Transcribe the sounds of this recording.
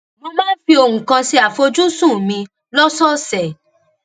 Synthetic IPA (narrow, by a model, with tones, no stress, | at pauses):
mõ˧mãː˦fi˧o˧˨hũ˨kã˧si˦a˨fo˧d͡ʒu˦sũ˦˨mĩ˧ | lɔ˦sɔ˦sɛ˨